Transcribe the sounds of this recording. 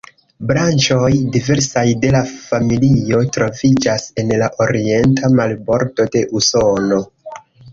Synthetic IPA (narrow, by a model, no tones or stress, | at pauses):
bɾant͡ʃo̞jdive̞ɾsajde̞lafamilio̞tɾo̞vid͡ʒase̞nlaʔo̞ɾie̞ntʰamalbo̞ɾdo̞de̞ʔuso̞no̞